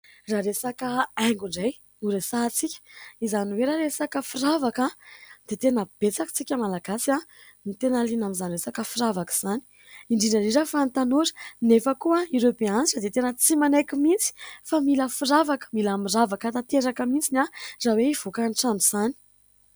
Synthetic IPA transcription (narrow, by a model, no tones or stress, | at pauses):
raɾesakəajŋɡuɳɖ͡ʐaj | uɾesat͡sikʲə̥izaniweɾaɾesakəfiravakəd̪̥et̪enəb̥et͡sakt͡sikʲəmalaɡasia | nit̪enalinamizaniresakəfiravakəz̥ani̥ | iɳɖ͡ʐinariɾəfant̪anuɾə̥nefəkuaiɾewbeaniʈ͡ʂəd̪et̪enət͡simanajkʲimit͡si̥familəfiravakə̥milamiravakət̪at̪eɾakəmit͡sinazaweiv̥okanʈ͡ʂanuz̥ani̥